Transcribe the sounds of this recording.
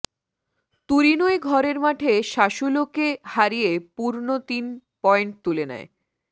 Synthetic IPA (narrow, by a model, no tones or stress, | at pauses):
t̪uɾinoeɡʱɔɾeɾmaʈʰeʃaʃulokehaɾijepuɾnot̪inpɔeɳʈ̚t̪ulenɛ̰e